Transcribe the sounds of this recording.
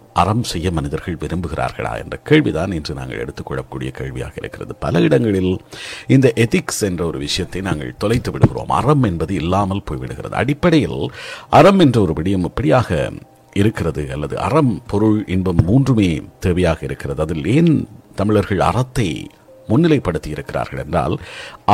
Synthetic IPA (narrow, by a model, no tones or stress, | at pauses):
ʔɐrɐmsɛjːɐmɐnɪðɐɾɣɐɭʋɪɾɯmbɯɣɪra̰ːɾɣɐ̰ɭa̰ːɛ̰ndrɐkeːɻʋiðaːnɛndrɯna̰ːŋɡɐ̰ɭɛ̰ɽɯt̪ːɯkːɔɭːɐkːuːɽɪ̰jɐkḛːɻʋɪ̰ja̰ːɣɐɪɾɯ̰kːɪrɐðɯpɐlɐɪɽɐŋɡɐɭɪlɪnd̪ɐʔɛt̪ɪksɛndrɐɔɾɯʋɪʂɐjɐt̪ːɐɪnaːŋɡɐ̰ɭt̪ɔlɐɪt̪ːɯʋɪɽɯɣɪro̰ːmɐ̰rɐmɛnbɐðɯɪlːaːmɐlpoːjʋɪ̰ɽɯɣɪrɐ̰ðɯ̰ʔɐ̰ɽɪpːɐɽɐjɪlɐrɐmɛndrɐɔɾɯʋɪɽɐjɐmɛpːɐɽɪjaːɣɐ̰ | ɪɾɯkːɪrɐðɯɐlːɐðɯ̰ʔɐ̰rɐmpɔɾɯɻɪnbɐmːuːndrɯmeːt̪eːʋɐjaːɣɐɪɾɯkːɪrɐðɯɐðɪleːnt̪ɐmɪɭɐɾɣɐɭɐ̰rɐt̪ːɐɪ | mʊnːɪlɐɪpːɐɽɯt̪ːɪjɪɾɯkːɪra̰ːɾɣɐɭɛndra̰ːl